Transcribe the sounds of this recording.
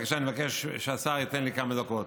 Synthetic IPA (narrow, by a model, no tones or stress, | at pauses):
kḁʃanievakeʃʃeasaʁit̪enlikamad̪okot̪